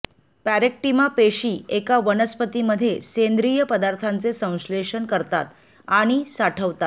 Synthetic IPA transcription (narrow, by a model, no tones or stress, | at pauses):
pæɾek̚ʈimapeɕiːekaʋənəspət̪iməd̪ʱːjesend̪ɾijəpəd̪aɾt̪ʰant͡sesə̃w̃ɕleɕəɳkəɾt̪a̰t̪ | aɽ̃isaʈʰəʋt̪at̪